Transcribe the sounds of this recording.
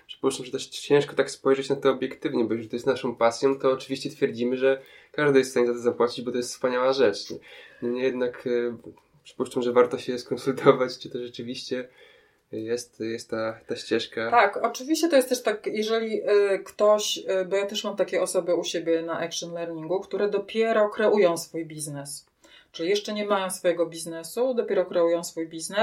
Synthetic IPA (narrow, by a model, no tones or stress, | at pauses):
pʂɨ̥puʂt͡ʂamʐɛt̪ɛʂt͡ɕɛ̃ʂkɔt̪akspɔjʐɛt͡ɕnat̪ɔːbʲjɛkt̪ɘvɲɛbɔjɛʐʲt̪ɔjɛst̪naʂɔ̃w̃pasʲjɔ̃w̃t̪ɔːt͡ʂɘvʲiɕt͡ɕɛt̪fʲjɛɾd͡ʑimɘʐɛkaʐd̪ɨjɛst̪fsaɲʲezat̪ɔzapwat͡ɕid͡ʑbɔt̪ɔjɛst̪spaɲawaʐɛt͡ʂɛnɔɲɛjɛd̪nak | pʂɘ̥puʂt͡ʂamʐɛvaɾt̪ɔɕɛskɔnsult̪ʰɔvat͡ɕt͡ʂɨt̪ɔʐɛt͡ʂɘvʲiɕt͡ɕɛ | jɛst̪jɛst̪ːat̪ːaɕt͡ɕɛʂkat̪akɔt͡ʂɘvʲiɕt͡ɕɛt̪ɔjɛst̪ɛʂt̪akjɛʐɛlʲikt̪ɔɕbɔjat̪ɛʂmamt̪akʲɛɔsɔbɘuɕebʲjɛnaʔɛkʂɔnlɛɾɲiŋɡukt̪uɾɛd̪ɔpʲjɛɾɔkɾɛʔujɔ̃w̃sfujbʲiznɛs | t͡ʂɨlʲijɛʂt͡ʂɛɲɛmajɔ̃w̃sfɔjɛɡɔbʲiznɛsud̪ɔpʲɛɾɔkɾɛujɔ̃w̃sfujbʲiznɛ